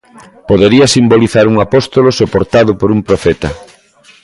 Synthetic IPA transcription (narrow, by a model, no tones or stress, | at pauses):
poðeɾiɐsimboliθaɾuŋapɔst̪olosopoɾt̪aðʊpoɾumpɾofɛt̪ɐ̰